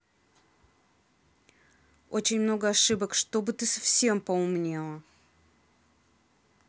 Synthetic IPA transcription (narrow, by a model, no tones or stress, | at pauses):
o̰t͡ɕɪnʲmno̞ɡəɐʂɨbəkʂt̪o̞bɨt̪ɨsɐfsʲe̞mpəʊmnʲe̞lˠə